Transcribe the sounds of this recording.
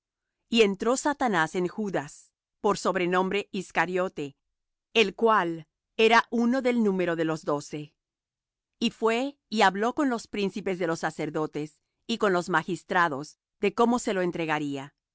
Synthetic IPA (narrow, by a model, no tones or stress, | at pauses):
ie̞nt̪ɾo̞sat̪anase̞ŋxuðas | po̞ɾso̞βɾe̞nõ̞mbɾe̞ʔiskaɾjo̞t̪e̞ː | lkwal | e̞ɾaʔuno̞ðe̞lnũme̞ɾo̞ðe̞lo̞zðo̞se̞ | ifwe̞ | iaβlo̞ko̞nlo̞spɾinsipe̞zðe̞lo̞sːase̞ɾðo̞t̪es | iko̞nlo̞zmaxist̪ɾaðo̞z | ð̥e̞ko̞mo̞se̞loent̪ɾe̞ɣaɾia